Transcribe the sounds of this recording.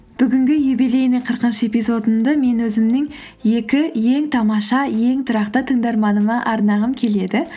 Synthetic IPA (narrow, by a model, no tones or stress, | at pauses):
b̥ʏɡʲɪŋɡʲɪjejbele̞jnɪqʰəɾqənʃəepijzo̞d̪əmd̪əme̞nwɵzɪmnɪŋ | je̞kʲɪje̞ŋt̪ʰɑmɑʃɑje̞ŋt̪ʰʊɾɑqt̪ət̪ʰəŋd̪ɑɾmɑnəmɑʔɑɾnɑʁəmkʲʰe̞le̞d̪ɪ